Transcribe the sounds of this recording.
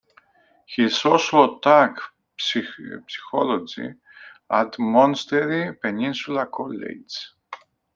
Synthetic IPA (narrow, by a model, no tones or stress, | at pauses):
hisosot̪ak | psi̥xolod͡ʒḭ | ɐt̪mõnst̪eɾipenĩnsulɐkʰolḛd͡ʒ